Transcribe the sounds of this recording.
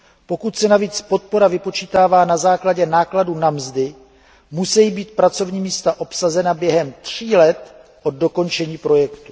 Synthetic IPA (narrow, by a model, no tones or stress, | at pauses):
po̞kut̪sɛnaviːt͡spo̞t̪̚po̞ɾavɪpo̞t͡ʃiːt̪aːvaːnazaːklaɟɛnaːkladunamzdɪ | musɛjibiːt̪̚pɾat͡so̞vɲiːmiːst̪aʔo̞psazɛnabjɛɦɛmt̪r̝̥iːlɛt̪ʔo̞d̚do̞ko̞nt͡ʃɛɲiːpɾo̞jɛkt̪u̥